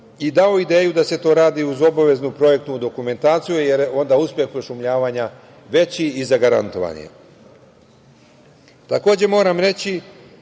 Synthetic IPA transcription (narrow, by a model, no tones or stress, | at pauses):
id̪ao̞id̪e̞ːjud̪ase̞t̪o̞ɾaːd̪iuzo̞baʋe̞znupɾo̞je̞k̚t̪ud̪o̞kume̞nt̪aːt̪sijuje̞ɾo̞nd̪auspʲje̞xpɾoʃumʎaːʋaɲa | ʋe̞t͡ɕiizaɡaɾa̰nt̪o̞ʋa̰nḭḛ | t̪ako̞ːd͡ʑe̞mo̞ːɾamɾe̞t͡ɕi